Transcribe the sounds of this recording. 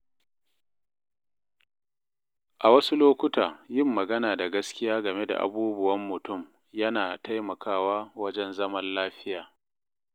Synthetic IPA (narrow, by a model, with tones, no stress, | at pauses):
ʔa˨wɐ˦su˦loː˦kʷʊ˦taː˨jɪ˦mːɐ˨ɡɐ˦naː˨da˨ɡɐ˦skʲɪ˦jaː˦ɡɐ˨me˦da̰˨ʔa̰˨buː˦bʊ˦wɐ˦mːʊ˨tʊ˦˨m | jɐ˦naː˨ta˦jmɐ˨kʰaː˦˨waː˦wɐ˦d͡ʒɛ˦nzɐ˦mɐ˦nlaː˦ɸɪ˦jaː˨